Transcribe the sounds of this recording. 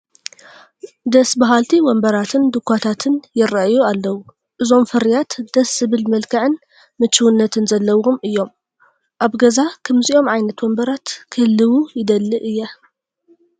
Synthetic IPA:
d̪ɐsbaɦalt̪ʰiwɔmbɐɾat̪ʰɨnd̪ɨkʷʰːat̪ʰat̪ʰɨnjɪɾaʔjualːɐwu | ʔɨzo̞mfɨɾijat̪d̪̥ɐsːɨβɨlmɐlkʰɐʕɨn | mɨt͡ʃːɨwunːɐt̪ʰɨnzɐlːɐwomɨjːo̞m | ʔaβɡɐzakʰɐmziʔo̞mʕajnɐt̪wɔmbɐɾat̪kʰɨlːɨwujɪd̪ɐlːɨʔɨjːa

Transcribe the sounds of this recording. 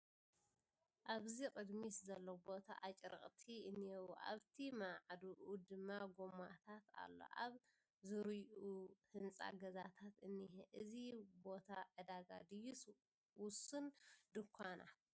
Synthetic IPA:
ʔaβzikʼɨd̪miszɐlːobo̞t̪ʰa̰ʔat͡ʃʼɾɨ̰χʼt̪ʰiɨniɛwuʔa̰βt̪ʰimaʕd̪uʔud̪ɨmːaɡomat̪ʰat̪a̰lːo̰ʔaβ | zɨɾɨjuhɨnt͡sʼa̰ɡɐzat̪ʰat̪ɨnːiheʔɨzibo̞t̪ʰaʕɨd̪aɡa̰d̪ɨjus | wʊsɨnd̪ɨkʷʰːana̰

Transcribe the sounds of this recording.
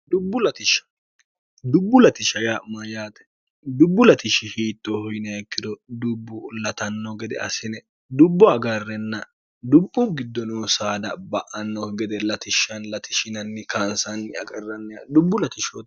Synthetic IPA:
d̪ʊbːʊlɐt̪ɪʃɐ̥ | d̪ʊbːʊlɐt̪ɪʃɐjamɐjaːt̪ɛ̥ | d̪ʊbːʊlɐt̪ɪʃɪhiːt̪ːohɔjnɐɛkːɪd̪ɔd̪ʊbːʊlɐt̪ɐnːɔɡɛd̪ɛ̰ɐ̰sɪnɛ | d̪ʊbːɔɐɡɐrːɛnːɐ | d̪ʊbːʊɡɪd̪ːɔnoːsaːd̪ɐbɐʔɐnːɔɡɛd̪ɛlɐt̪ɪʃːɐnlɐt̪ɪʃɪnɐnːɪkaːnsɐnːɪɐ̰kʼɐrːɐnːɛjad̪ʊbːʊlɐt̪ɪʃot̪

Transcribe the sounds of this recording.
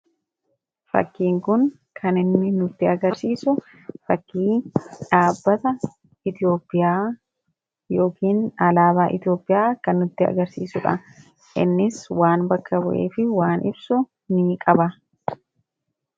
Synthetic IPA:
fɐ̰kːiːŋkʊŋ | kʰɐnɪnːɪnʊt̪ːɪɐɡɐɾsiːsʊ | fɐkːiːᶑaːbːɐt̪ɐ | ɪt̪ɪo̞ːpʼːɪjaː | jo̞ːkiːnɐlaːbaːʔɪt̪ɪjo̞ːpʼːɪjaːkɐnːʊt̪ːɪɐ̰ɡɐɾsiːsʊᶑɐ̰ | ʔɪ̰nːɪswaːnbɐkːɐbɔʔḛːfɪwaːnɪbsʊ | nɪːkʼɐbɐ

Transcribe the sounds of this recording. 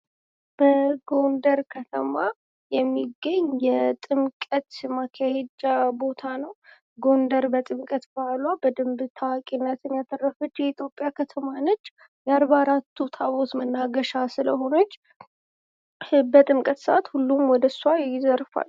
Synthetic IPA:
b̥əɡo̞nd̪əɾkʰət̪ʰəma | jɛmːiɡːəɲːjɛt̪ʼɨmkʼət̪makʰahed͡ʒabo̞t̪ʰanəw | ɡo̞nd̪əɾbət̪ʼɨmkʼət̪balwabəd̪ɨmbɨt̪ʰawakʼinːət̪ʰɨnjat̪ʰːɨrːəfɨt̪jɛit̪ʰjo̞pʼːjakʰət̪ʰəmanət͡ʃː | jɛaɾbaɾat̪ʰːut̪ʰaβo̞t̪mənːaɡəʃasɨləho̞nət͡ʃː | bət̪ʼɨmkʼət̪səʔat̪hulːumwɔd̪əsuaɪzəɾfa̰l

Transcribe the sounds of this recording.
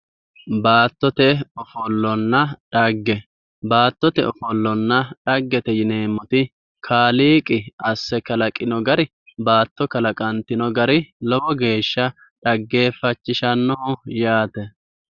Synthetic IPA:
baːt̪ːɔt̪ɛɔfɔlːɔnːɐᶑɐɡːɛ | baːt̪ːɔt̪ɛɔfɔlːɔnːɐᶑɐɡːɛt̪ɛjɪneːmːɔt̪ɪ | kʰaːliːkʼɪɐsːɛkɐlɐkʼɪnɔɡɐɾɪ | baːt̪ːɔkɐlɐkʼɐnt̪ːɪnɔɡɐɾɪlɔbɔɡe̞ːʃːɐ | ᶑɐɡːe̞ːfɐt͡ʃːɪʃɐnːɔjaːt̪ɛ

